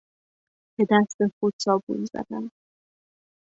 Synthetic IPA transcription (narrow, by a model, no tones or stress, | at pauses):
b̥e̞d̪æst̪exud̪sɒːbṵnzæ̰d̪ænd̪